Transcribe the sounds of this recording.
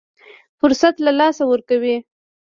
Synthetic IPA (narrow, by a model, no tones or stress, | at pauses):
fʊɾsat̪lalɑsawəɾkawi